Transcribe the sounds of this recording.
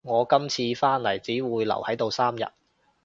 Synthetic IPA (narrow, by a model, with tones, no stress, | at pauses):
ŋɔː˨˧kɐ˥mt͡sʰiː˧faː˥nlɐ˨˩jt͡siː˨˥wuː˨˧jlɐ̰˨˩whɐ˨˥jt̪o˨˧wsaː˥mjɐ̰˨t̚